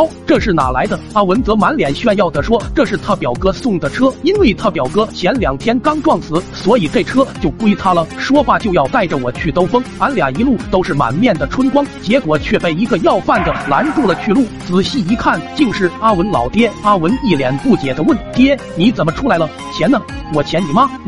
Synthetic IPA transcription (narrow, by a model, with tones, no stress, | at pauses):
ʊʈ͡ʂɤ˥˧ʂɻ̩˥˩na̰˨˩la˧˥ɪd̪ə˧a˥wə˧˥nt͡sɤ˧˥ma˧˥nljɛ˨˩nɕɥɛ˥˧njɑ˥˩ʊd̪ə˩ʂwɔ˥ʈ͡ʂɤ˥˧ʂɻ̩˥˩t̪ʰa˥pjɑ˨˩ʊkɤ˥sʊ˥˩ŋd̪ə˩ʈ͡ʂʰɤ˥i˥nwe˥˩ɪt̪ʰa˥pjɑ˨˩ʊkɤ˥ɕʰjɛ˧˥nljɑ˨˩ŋt̪ʰjɛ˥nkɑ˥ŋʈ͡ʂwɑ˥˩ŋsɹ̩˧˥swɔ˧˥i˨˩ʈ͡ʂe˥˩ɪʈ͡ʂʰɤ˥t͡ɕjo˥˧ʊku˥i˧˥˩t̪ʰa˥lə˨ʂwɔ˥xwa˥˩t͡ɕjo˥˧ʊjɑ˥˧ʊt̪a˥˩ɪʈ͡ʂə˩wɔ˨˩t͡ɕʰy˥˩t̪o˥ʊfɤ˥ŋma˧˥nljɑ˨˩ŋi˧˥lu˥˩t̪o˥ʊʂɻ̩˥˩ma̰˨˩nmjɛ˥˩nd̪ə˩ʈ͡ʂʰwə˥nkwɑ˥ŋt͡ɕjɛ˧˥kwɔ˨˩t͡ɕʰɥɛ˥˧pe˥˩ɪi˧˥ɡə˧jɑ˥˧ʊfa˥˩nd̪ə˩la˧˥nʈ͡ʂu˥˩lə˩t͡ɕʰy˥˧lu˥˩t͡sɹ̩˨˩ɕi˥˩i˧˥kʰa˥˩nt͡ɕi˥˧ŋʂɻ̩˥˩a˥wə˧˥nlɑ˨˩ʊt̪jɛ˥a˥wə˧˥ni˥˩ljɛ˧˥npu˥˩t͡ɕjɛ˨˩d̪ə˦wə˥˩nt̪jɛ˥ | ni˧˥t͡sə˨˩nmə˦ʈ͡ʂʰu˥la˧˥ɪlə˧ | t͡ɕʰjɛ˧˥nːə˧wɔ˨˩t͡ɕʰjɛ˧˥nni˨˩mɐ˧